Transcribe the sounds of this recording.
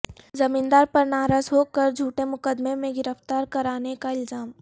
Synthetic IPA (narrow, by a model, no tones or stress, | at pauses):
zɐmĩːnd̪aːɾpɐɾnaːɾaːzɦoːkɐɾd͡ʒʱuːʈemʊkəd̪memẽɡɪɾəft̪aːɾkɐɾaːnekaɪlzaːm